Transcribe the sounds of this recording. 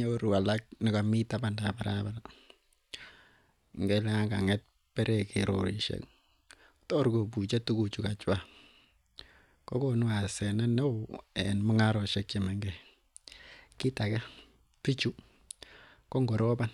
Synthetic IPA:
e˦o˦ɾu˨a˨la˦k̚nɪ˨ka˨mi˦ta˦pa˨nda˨ba˨ɾaba˨la˨ | ŋɡɛ˦lɛ˦ŋa˦ɡa˨ŋɛ˦t̚ | pɛ˦ɾʔɛkḛɾo̰˨ɾi˨ʃḛk | tɔ˦ɾɡo˨bu˨t͡ʃe˦tu˦ku˨t͡ʃu˨ka˨t͡ʃwa˦ | kɔ˦konu˦a˨sɛ˨na˦nɛ˦ɛ̰nmɔ˦ŋa˦ɾɔ˨ʃɛ˦kt͡ʃe˨ma˨ŋɡɛ˨ | kɪ˦ta˨ka˦ | pi˦t͡ʃu˦ | kɔ˦ŋɡɔ˨ɾɔ˦ba˦n

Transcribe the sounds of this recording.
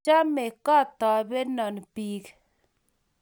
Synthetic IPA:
a˦me˨kɔ˦˨t̪ɔ˨be˦nɔ˨npiː˨˦k

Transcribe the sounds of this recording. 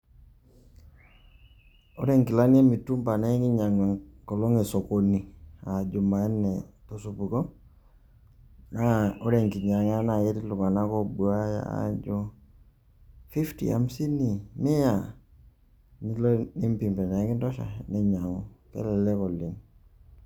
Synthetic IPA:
o˦ɾɛ˦˨ŋkɪ˨la˦n˦a˦mi˨tu˦mpa˨na˦kɪ˦ɲa˨ŋɛ˨ŋkɔ˨lɔ˦ŋe˨sɔ˨ko˨ni˨a˨d͡ʒu˨ma˨ɛ˦nɛ˨tɔ˨su˨pu˨kɔ˦ | na˦o˦ɾɛ˨ŋki˨ɲa˨ŋa˦na˨kɛ˦ti˦lu˨ka˨na˦kɔ˦bu˨a˦ja̰˨a̰˦d͡ʒɔ˦ | fi˦ftḭ˨a̰˨msi˦ni˨mɛ˦ja˨ | ni˦lɔ˦ni˦mpi˨mpɛ˨na˨ɛ˦ki˦ntɔ˦ʃa̰˨nɛ˦ɲa˨ŋɔ˨kɛ̰˦lɛ˨lɛ˦kɔ˨li˨ŋ

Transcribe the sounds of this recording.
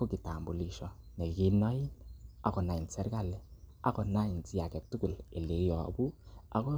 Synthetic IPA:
kɔ˦ki˨ta˨mbu˨li˦ʃɔ˨ | nɛ˨ki˦nɔ˦i˦na˨kɔ˨na˨i˨nsɛ˦ɾka˦˨lɛ˦a˦kɔ˨na˦i˨nt͡si˦a˨kɛ˨tːu˦ku˨le˨le˨˦jɔ˨bu˦a̰˨kɔ˦

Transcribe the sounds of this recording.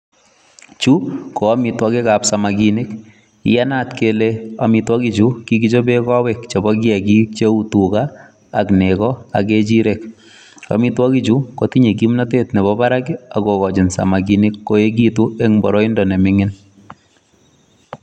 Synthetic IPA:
t͡ʃu˦ko˨a˦mitwɔ˦ke˦ka˨psa˨ma˨ki˨ni˦k | ija˦na˦tkelea˨mi˧twɔ˦ki˨t͡ʃu˦ki˦ɡi˦t͡ʃo˦be˦kɔ˦wɛkt͡ʃe˨bɔ˦k̬jɛ˨ki˦t͡ʃe˦u˦tukaː˦˨ | knekɔa̰˨ke˦t͡ʃi˦ɾek | a̰˨mi˦twɔ˦ki˦t͡ʃu˦ko˨ti˦ɲe˨k̬i˦mna˦te˦tne˨bɔba˦ɾa˦kia̰˨kokɔ˨d͡ʒɪ˨nsa̰˨ma˨k̬inikːo˦e˦k̬i˦tu˦e˦ŋbɔ˨ɾɔ˦indɔne˨mɪŋɪ˦n

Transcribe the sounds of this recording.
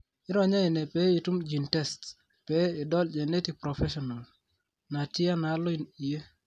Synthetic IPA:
ɪ˦ɾɔ˨ɲa˦ɪ˨nɛ˨pɛ˦i˨tu˦md͡ʒi˨ntɛ˦st | pɛ˦ɪ˨dɔ˦ld͡ʒɛ˨ne˦ti˨ɡ̚pɾɔ˨fɛʃɔna˨l | na˨tɪ˦a˦na˨˦lɔ˦ɪni˨e˦

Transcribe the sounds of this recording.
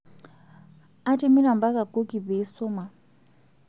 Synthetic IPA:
a˦te˦mi˦na˨mba˦ka˨ko˦ki˨be˨˦sɔ˦ma˨

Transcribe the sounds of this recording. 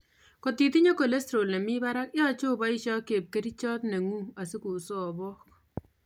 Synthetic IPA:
ko˨ti˨ti˦ɲo˦ko˨le˦stɾo˨nɛ˨mi˦ba˦ɾa˦kjɔ˦t͡ʃo˦ba˦i˦ʃɔ˦ke˨p̚ke˦ɾi˦t͡ʃɔ˦tnɛ˨ŋu˦a˨si˦ku˨so˦˨bɔ˦k̚

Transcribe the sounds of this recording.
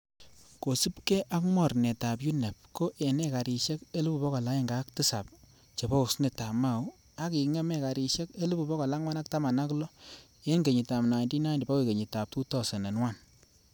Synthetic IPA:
ko˨sɨ˦pke˦ʔa˦kmɔ˦˨rnɛ˨ta˨p̬ju˦ne˨p̚ko˦ʔe˨nɛ˦ka˨ɾi˨ʃe˦ke˦lu˦pu˨pɔ˦kɔ˨la˦i˦˨ŋɡa˨˦k̚tɨ˦sa̰˨p̚ | t͡ʃe˨bɔ˦u˨sne˨ta˨ma˦˨u˦ | a˦ki˨ŋɛ˦mɛ˦˨ka˨ɾi˨ʃe˦ke˦lu˦pu˨pɔ˦kɔ˨la˦ŋwa˦na˦k̚ta˦ma˨na˦klɔ˦ | e˦nɡe˨ɲi˨ta˨mna˨ndi˦na˦ndi˨pa˦we˨ke˨ɲi˨ta˨p̚tu˦tɔ˨se˨ne˨nwa˦˨n

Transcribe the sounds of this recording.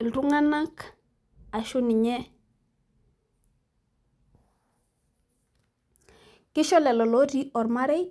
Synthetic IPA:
ltu˦ŋa˦na˦k | a˨ʃu˦ni˨ɲɛ˦ | ki˦ʃɔ˦lɛ˨lɔ˨lo˦di˦ʔɔ˨ɾma˦ɾe˦

